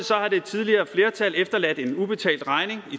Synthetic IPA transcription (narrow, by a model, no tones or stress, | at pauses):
sɒ̽hɑ̈d̥e̝t͡sʰið̞ˠliɐːfle̝ːɐt͡sʰælefd̥ɐlæd̥e̝nub̥e̝t͡sʰɛ̰ːld̥ʁɑ̈ɪne̝ŋi